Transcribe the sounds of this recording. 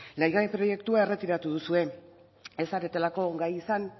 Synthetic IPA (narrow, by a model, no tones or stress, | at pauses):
lejɣaepɾo̞je̞kt̪uae̞re̞t̪iɾat̪uðusue̞ | e̞saɾet̪elako̞ɡajisan